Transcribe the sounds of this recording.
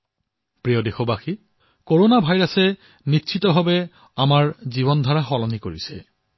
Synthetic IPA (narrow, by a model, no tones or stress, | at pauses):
pɹijɔdexobaxi | koɹonabʱajɹasɛ | nitːʃʰitɔbʱabɛ | amaɹziβɔndʱɔɹaxɔlɔnikoɹisɛ